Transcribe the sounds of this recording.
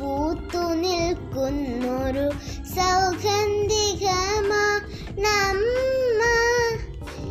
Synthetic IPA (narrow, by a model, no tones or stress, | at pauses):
uːt̪ːuniɭkunːoɾu | sɐwɡɐnd̪iɡɐma | namːɐ